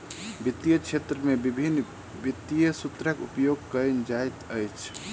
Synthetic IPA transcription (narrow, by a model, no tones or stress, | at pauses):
bit̪ːijət͡ʃʰet̪ɾəmebibʱinː | bit̪ːijəsut̪ɾəkupjoɡ̚kənd͡ʒajt̪əjt͡ʃʰ